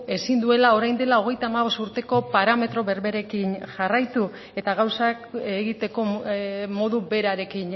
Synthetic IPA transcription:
e̞sind̪ue̞lao̞ɾajnd̪e̞lao̞ɣ̞e̞jt̪aːmaβ̞o̞st̪uɾt̪e̞ko̞paɾame̞t̪ɾo̞βe̞ɾβe̞ɾe̞kinʝarajt̪u | e̞t̪aɣawsakeɣit̪e̞ko̞mo̞ðube̞ɾaɾe̞kin

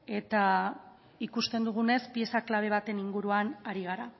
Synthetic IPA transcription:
e̞t̪a | ikust̪e̞nd̪uɣ̞une̞spie̞saklaβ̞e̞β̞at̪e̞niŋɡuɾuanaɾiɣ̞aɾa

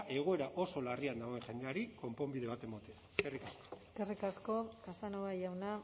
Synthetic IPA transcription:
ʔe̞ɣ̞o̞e̞ɾaʔo̞so̞lariand̪aɣoeŋʝe̞nd̪e̞aɾiko̞mpo̞mbiðe̞β̞at̪e̞mot̪eaeskerikasko̥eskerikasko̞kasanoβajawna

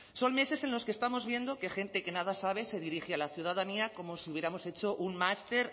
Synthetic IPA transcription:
so̞nme̞se̞se̞nlo̞skest̪amo̞zβje̞nd̪o̞ke̞xẽ̞nt̪e̞ke̞nað̞asaβ̞ese̞ðiɾixealaθjuðaðaniako̞mosiuβje̞ɾamo̞se̞t͡ʃo̞ʔunmast̪e̞ɾ

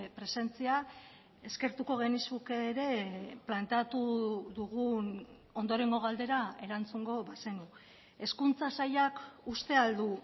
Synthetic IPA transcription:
pɾe̞se̞nt͡sia | e̞ske̞ɾt̪uko̞ɣ̞e̞nisukeɾe̞plant̪eat̪uðuɣun | o̞nd̪o̞ɾe̞ŋɡo̞ɣald̪e̞ɾae̞ɾant͡suŋɡo̞βase̞nu | e̞skunt͡sasaʎakust̪e̞ald̪u

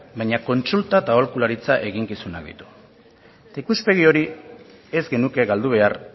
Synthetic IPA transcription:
bajɲako̞nt͡sult̪at̪aolkulaɾit͡saʔe̞ɣiŋkisuna̰k̚d̪ḭt̪u̥ | t̪aikuspe̞ɣ̞io̞ɾi | e̞zɡe̞nuke̞ɣald̪uβ̞e̞ar

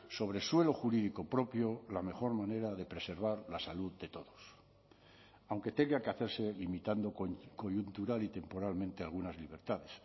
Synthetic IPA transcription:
so̞β̞ɾe̞swe̞lo̞xuɾiðiko̞pɾo̞pjolame̞xo̞ɾmãne̞ɾaðe̞pɾe̞se̞ɾβ̞aɾlasaluðd̪e̞t̪o̞ðo̞s | awŋke̞t̪e̞ŋɡakeaθe̞ɾse̞limit̪and̪o̞ko̞ʝunt̪uɾalit̪e̞mpo̞ɾalmẽnt̪ealɣunazliβ̞e̞ɾt̪aðes

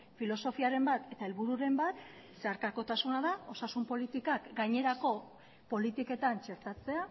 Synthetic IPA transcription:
filo̞so̞fiaɾe̞mbat̪e̞t̪aelβuɾuɾe̞mbat̪ | se̞aɾkako̞t̪asunaðao̞sasumpo̞lit̪ikakɡajɲe̞ɾako̞ | po̞lit̪ike̞t̪ant͡ʃe̞ɾt̪at͡se̞a

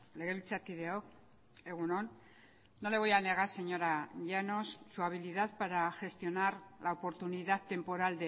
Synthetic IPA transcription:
le̞ɣe̞βilt͡sat̪iðeok | e̞ɣ̞unon | noleɣojaneɣ̞ase̞ɲo̞ɾaʝano̞sːuaβ̞iliðaðpaɾaʝe̞st̪io̞naɾlaopo̞ɾt̪uniðatt̪ːe̞mpo̞ɾald̪e

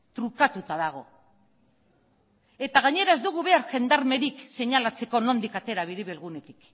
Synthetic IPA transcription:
t̪ɾukat̪ut̪aðaɣ̞o̞ | e̞t̪aɣ̞aɲe̞ɾae̞zd̪uɣ̞uβe̞aɾʝe̞nd̪aɾme̞ɾikse̞ɲalat͡se̞ko̞no̞nd̪ikat̪e̞ɾaβiðiβelɣune̞t̪i̥k

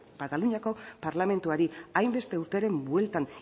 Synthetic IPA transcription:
bat̪aluɲiako̞paɾlame̞nt̪uaɾiajmbe̞st̪e̞uɾt̪eɾe̞mbwe̞lt̪an

